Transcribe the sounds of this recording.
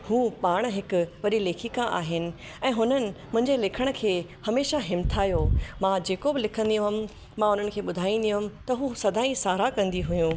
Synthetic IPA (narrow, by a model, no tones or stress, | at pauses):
huːpaːɽ̃̆ɦɪkʊ̆ʋɐɗileːkʰikãʔa̰ːɦɪnɪ̆ | ɛ̃ːɦʊnənɪ̆mʊ̃ɦɪ̃ɲd͡ʑelɪkʰəɽ̃̆kʰeːhɐmeːʃaɦɪmt̪ʰaːɦjomãd͡ʑeːkobɪlɪkʰə̃nd̪iʊɦʊm | mãʊn̤ənɪkʰeːɓʊd̪ʱaːĩn̆d̪iʊɦʊmɪ̆t̪ɐɦusɐd̪ʱaːĩsaːɾakɐ̃nd̪iɦʊjũː